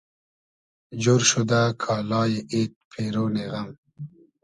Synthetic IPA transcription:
d͡ʑoɾʃud̪akʰɑːlɑːjeʔet̪̚pʰeɾoːneɣɐm

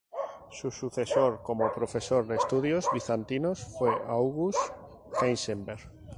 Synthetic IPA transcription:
susuθesoɾkomopɾofesoɾðest̪uðjozβiθant̪inosfejʔawɣus | kensembeɾɣ

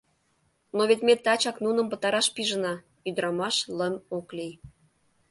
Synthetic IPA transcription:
noβet̪met̪ːɑt͡ɕɑknunə̆mpə̆t̪ɑɾɑʃpiʒənɑ | yd̪ɾɑmɑʃlə̆moklij

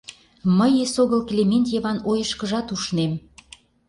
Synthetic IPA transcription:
məjesoɣəlklʲemenʲt̪jeβɑnojəʃkəʒɑt̪uʃnem

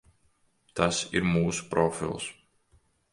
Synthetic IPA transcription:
t̪asḭɾmuːsu̥pɾɔfḭlˠs

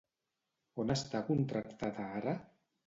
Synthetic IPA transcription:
onast̪akunt̪ɾakt̪aðaaɾa

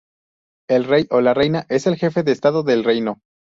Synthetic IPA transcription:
e̞lrejʔo̞lare̞jnaʔe̞se̞lxe̞fe̞ðe̞ːst̪aðo̞ðelre̞jno̞

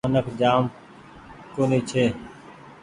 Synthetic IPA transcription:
ənəkʰd͡ʒaːm | koːniːt͡ʃʰeː

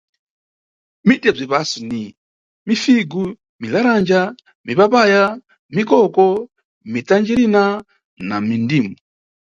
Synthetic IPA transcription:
mitɛb͡ʐʷipasuni | mifiɡu | milaɾand͡ʒa | mipapaja | mikɔkɔ | mitand͡ʒiɾina | namindiːmu

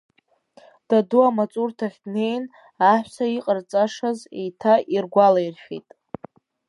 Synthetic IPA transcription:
d̥aduamat͡sʼurtʰaχʲdne̞jn | aħᶣʷsaiqʼərt͡sʼaʂazḛjtʰaʔirɡʷalajrχʲḛjtʼ

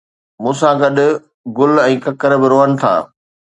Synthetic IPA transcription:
mũːsãɡɐɗʊ̆ | ɡʊlɛ̃ːkɐkəɾbɪɾoːɦənɪ̆t̪ʰa̰ː

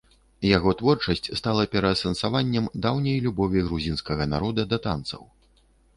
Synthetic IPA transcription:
jaɣɔt̪vɔrt͡ʂɐsʲt͡sʲst̪alˠɐpʲɛɾɐsɐnsavanʲːɛmd̪awnʲɐjlʲubɔvʲiɣɾuzʲinskɐɣɐna̰ɾɔd̪ɐd̪ɐt̪a̰nt̪sɐ̰w

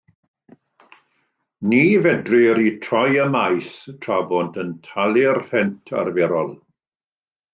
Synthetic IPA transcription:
niːvɛdrɪɾitʰrɔjəmajθtʰrabɔntʰəntʰalˠɪrhɛntʰa̰rvɛɾɔlˠ

